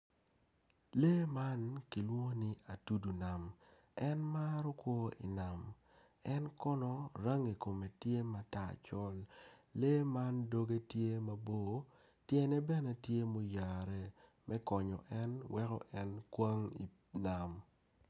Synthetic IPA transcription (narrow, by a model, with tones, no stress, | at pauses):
leː˦ma˦nki˨lwo˦ni˦a˨tu˦du˨na˨m | ɛ˦nma˦ɾɔ˦kwo˦ḭ˨na˨m | ɛ˦nkɔ˦nɔ˦ɾa˦ŋi˨ko˨me˨tje˦ma˦ta˨t͡ʃɔ˦lːe˦ma˦ndo˦ɡe˦tje˦ma˦bo˦˨ | tjɛ˦nɛ˦bɛ˦nɛ˦tje˦mo˦ja˨ɾɛ˨ | mʔɛ˦kɔ˨ɲɔ̰˨ʔɛ˦nwɛ˦kɔ̰˦ʔɛ˦nkwa˦ŋḭ˨ | na˨m